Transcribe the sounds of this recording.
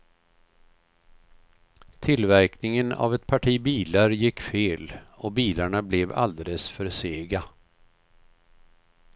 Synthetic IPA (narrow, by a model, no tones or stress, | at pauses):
t̪ʰɪlvæɾknɪŋəna̰vɛt̪̚pʰaʈʰiːbiːlaɾjɪkːfeːlɔbiːlaɳablɛva̰ld̪eləsfœɾseːɡa